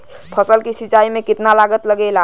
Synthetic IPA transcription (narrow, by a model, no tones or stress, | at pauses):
pʰəsəlkisit͡ʃaimekit̪nalaɡət̪ləɡɛla